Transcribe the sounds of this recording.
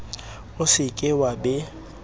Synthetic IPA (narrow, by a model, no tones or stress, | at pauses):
ʊsɪkʼɪwabɛ